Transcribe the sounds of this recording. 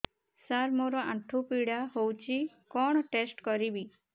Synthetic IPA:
saɾmoɾɔãʈʰupiɽaɦowt͡ʃʰi | kɔɽ̃ɔʈesʈkɔɾibi

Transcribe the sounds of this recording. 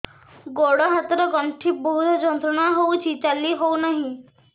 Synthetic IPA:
ɡoɽɔɦat̪ɾɔɡɔɳʈʰibɔɦud̪ʱɔd͡ʒɔnt̪ɾɔɽ̃aɦout͡ʃʰit͡ʃalːiɦounaɦĩ

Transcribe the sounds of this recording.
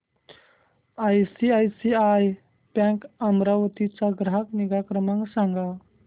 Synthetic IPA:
ajsiajsiaj | pãŋkamɾaʋt̪it͡saɡɾɦakniɡakɾəmãŋksãŋɡa

